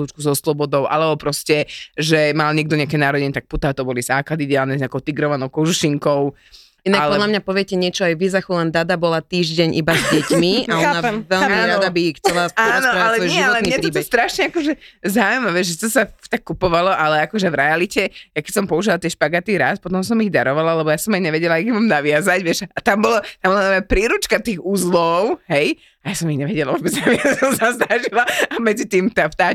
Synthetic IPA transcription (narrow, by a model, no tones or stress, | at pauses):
luːt͡ʃkuzɔslɔbɔd̪ɔʊʔa̰lɛbɔpɾɔscɛʒɛmalɲɛɡ̚d̪ɔɲɛakɛnaːɾɔɟɛɲɛt̪ak̚put̪aːt̪ɔbɔlizaːklad̪id̪ɛaːlnɛzɲaːkɔʊt̪iɡɾɔʋanɔʊkɔʒuʃiŋkɔʊ | inakalɔɛd̪lamɲapɔʋɪɛcɛɲɪɛt͡ʃɔajʋizaxulɛnd̪ad̪abɔlat̪iːʒɟɛɲʔibazɟɛcmiaɔnaɛʋɛlmiɾad̪abixt͡sɛlasanɔɾaalɛʋɔjʒiɔtɛmniɛptɾiːbɔɛst̪ɾaʃɲɛakɔʒɛzaujmaʋɛʒʒɛt̪ɔsat̪akːupɔʋalɔʔalɛakɔʒɛvɾɛalicɛjakɛcʲsɔmpɔuʒilat̪ɪɛʃpaɡat̪iɾa̰spɔt̪ɔmsɔmiɣd̪a̰ɾɔʋalalɛbɔjasɔmajɲɛʋɛɟɛlaiɣmamnaʋɪazaɟʋɪɛʃat̪ambɔlat̪ambɔlananmɔɛpɾiːɾut͡ʃkat̪iːɣuzlɔʊɦɛj | ajasɔmiɣɲɛʋɛɟɛlaʋɔbɛd͡znaʋɪazalazd̪aʒilaamɛd͡zit̪iːmt̪aːft̪aː